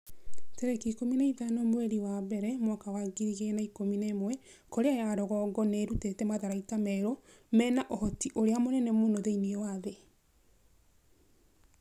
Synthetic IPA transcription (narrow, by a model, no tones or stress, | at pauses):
teɾɛkikominaitanomweɾiwabɛɾɛmwakawaɡiɾiɣenaikominemwɛ | koɾeajaɾɔɣɔɡɔneɾutetɛmaðaɾaitamɛɾo | mɛnaʔɔhɔtiʔoɾeamonɛnɛmoːnoðeiniewaðe